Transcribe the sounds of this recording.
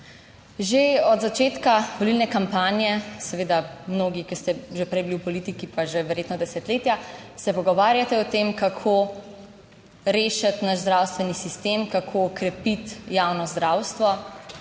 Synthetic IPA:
ʒeɔd̪zat͡ʃeːt̪kaʋɔlilnɛkampaːnjɛsɛʋeːd̪amnoːɡikist̪ɛʒepɾɛjbiliwpɔlit̪ikipaʒeʋɛɾjeːt̪nɔd̪ɛsɛt̪leːt̪jasɛpɔɡɔʋaːɾjat̪ɛɔt̪emkakʰo | ɾeːʃat̪naʃzd̪ɾawst̪ʋɛnisist̪eːmkakʰoːkɾɛpit̪jawnɔzd̪ɾawst̪ʋɔ

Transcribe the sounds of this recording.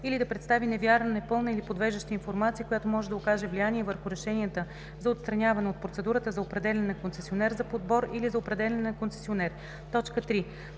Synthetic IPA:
ilid̪ɐpɾɛt̪st̪avinɛvʲjaɾnənɛpɤlˠnəilipod̪vɛʒəʃt̪əinfoɾmat̪sijəkojat̪omɔʒɛd̪ɐokaʒɛvlijaniɛvəɾxʊɾɛʃɛniət̪ə | zɐot̪st̪ɾɐnʲavɐnɛot̪̚pɾot̪sɛd̪uɾət̪əzɐopɾɛd̪ɛlɛnːɐkonsɛsionɛɾzɐpod̪bɔɾilizɐopɾɛd̪ɛlʲɛnnɐkonsɛ̥sionɛɾ | t̪ɔt͡ʃkət̪ɾi

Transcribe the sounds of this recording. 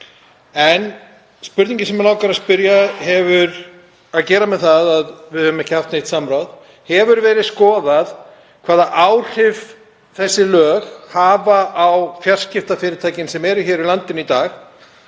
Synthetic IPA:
ɛn | spʏɾt̪ĩɲcɪsɛmɛlaːwkaɾaðspʏɾjahɛvʏɾ | aðcɛːɾamɛðθaðaðvɪðhœʏmɛhcɪhaft̪nejt̪samɾawð | hɛvʏɾvɛːɾɪðskɔːðað | kʰv̥aːðaʔaːwr̥ɪv | θɛsːɪlœːɣhaːvaʔawfjar̥scɪft̪afɪːɾɪɾt̪ʰaːjcɪnsɛmɛɾʏçɛːɾilant̪ɪnit̪aːx

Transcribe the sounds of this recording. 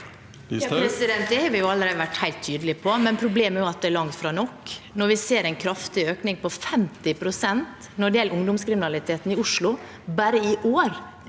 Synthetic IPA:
ɾɛsɪd̪ɛnt̪d̪ɛhɑːɾʋɪjʊɑlːəɾæɪd̪əʋæʈːhæɪlt̪ʰːyːd̪əlɪpʰɔmɛnpʰɾʊbleːmɛæɾjʊɑt̪̚d̪ɛæɭlɑŋt̪fɾɑːnɔkːnɔɾʋɪseːɾæɪnkʰɾɑft̪ɪøːknɪŋpɔfɛmt̪ɪpʰɾʊsɛnt̪ | nɔɖɪjɛlːʊŋd̪ʊmskɾɪmɪnɑlɪt̪ʰeːt̪n̩ɪʊʂlʊ | bæːɾəɪʔoːɾ

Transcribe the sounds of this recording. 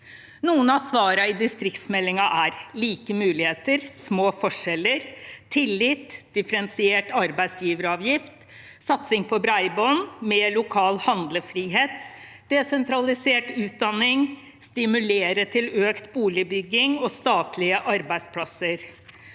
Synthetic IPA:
nuːənɑsʋɑːɾɑɪd̪ɪst̪ɾɪkt̪smɛlːɪŋɑʔæɾliːkəmʉːlɪheːt̪əɾsmoːfɔʂɛləɾt̪ʰɪlːɪt̪d̪̥ɪfəɾɛnsɪeːʈɑɾbæɪsjiːʋəɾəɑːʋjɪft̪ | sɑt̪sɪŋpʰɔbɾɑɪbonmɛːlʊkʰɑːlhɑnd̪ləfɾiːɦeːt̪ | d̪̥ɛsɛnt̪ʰɾɑlɪseːʈʉːt̪̚d̪ɑnːɪŋ | st̪ɪmʉleːɾəʈʰɪløːkt̪buːlɪbʏɡːɪŋɔst̪ɑːt̪ʰlɪəʔɑɾbæɪspʰlɑsəɾ

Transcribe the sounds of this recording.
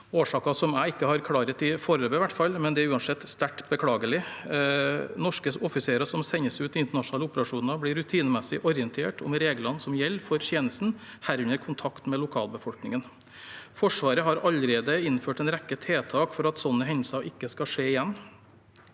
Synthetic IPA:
oːʂɑːkɑsɔmæɪɪkːəhɑɾkʰɽɑːɾət̪ɪfɔɾəløːbəʋæʈːfɑlmɛnd̪ɛæɾʉːɑnsɛt̪ːst̪æʈbəkʰlɑːɡəlɪ | nɔʂkəɔfɪseːɾəsɔmsɛɲːəsʉːt̪ɪɪnt̪əɳɑʂʊnɑːləʊpəɾɑʂuːnɑbliːɾːʉt̪ʰiːnəmɛsɪʔɔɾɪɛnt̪ʰeːʈʰɔ̰mɾeːɡlɑnsɔmjɛlːfɔɾçjeːnəst̪n̩ | hæɾʉnəɾkʰʊnt̪ʰɑkt̪mɛlʊkʰɑ̰ːlbəfɔlknɪŋən | fɔʂʋɑːɾəɦɑɾɑlɾeːd̪əɪnføːʈɛnɾɛkːət̪ʰeːt̪ʰɑːkfɔɾɑt̪sɔnːəɦɛnəsɑʔɪkːəskɑʂeːɪjɛnː

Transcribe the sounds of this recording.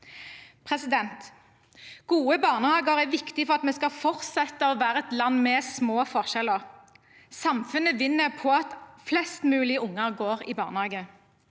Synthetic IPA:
pʰʁɛsɪd̪ɛnt̪ | ɡ̥uːəbɑːʁnəhɑːɡəʁæʋɪkt̪ɪfɔʁɑt̪mɛskɑfɔʁt̪sɛt̪ːəɔʋæːʁəɛt̪lɑnːmɛsmoːfɔʁʃɛləʁ | sɑmfʉnəʋɪnːəʁpʰɔɑt̪flɛst̪mʉːlɪəʊŋːəʁɡoːʁɪ̰ːbɑ̰ːʁnəhɑːɡə

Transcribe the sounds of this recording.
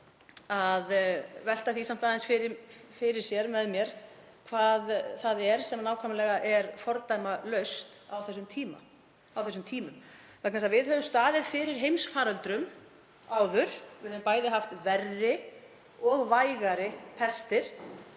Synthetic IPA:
aðvɛl̥t̪aθisam̥t̪aːðansfɪɾɪfɪɾɪɾ̥sjɛɾmɛðmjɛɾ̥ | kʰvaːðθaðɛɾ̥sɛmnaːwkʰamlɛɣaʔɛɾfɔɾt̪ajmalœɥst̪awθɛsːʏmt̪ʰiːma̰ | awθɛsːʏmt̪ʰiːmʏm | faknas̬avɪðɦœːvʏmst̪aːðɪðfɪɾɪɾ̥ɦejmsfaːɾœlt̪ɾʏm | aːwðʏɾ̥vɪhœvʏmpaːjðɪɦaft̪vɛrːɪ | ɔɣvajɣaɾɪpʰɛr̥st̪ɪɾ̥

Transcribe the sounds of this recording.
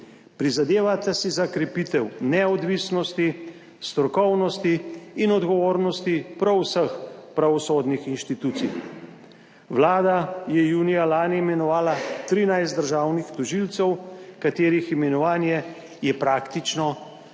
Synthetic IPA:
pɾizad̪eːʋat̪asizakɾɛpit̪ɛwnɛɔd̪ʋisnɔst̪i | st̪ɾɔkɔwnɔst̪iːnɔd̪ɡɔʋoːɾnɔst̪ipɾɔwsəxpɾaʋɔsoːd̪nixinʃt̪it̪uːt̪sḭj | ʋlaːd̪ajɛjuːnijalaːnimɛnɔʋaːlat̪ɾinajst̪d̪əɾʒaːwnixt̪ɔʒilt̪sɛwkat̪eːɾiximɛnɔʋaːnjɛ | jɛpɾaːkt̪it͡ʃnɔ

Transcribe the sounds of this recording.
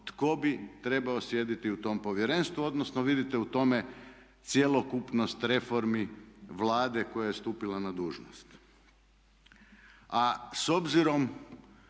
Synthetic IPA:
t̪ko̞bit̪ɾe̞baosje̞d̪it̪iut̪o̞mpo̞ʋje̞ɾe̞nst̪ʋuo̞d̪nosnoʋid̪it̪ɛut̪o̞me̞ | t̪sjelˠo̞kupnost̪ɾe̞fo̞ɾmiʋlˠaːd̪e̞ko̞jajest̪uːpilanad̪uːʒno̰st̪ | aso̞bziɾo̞m

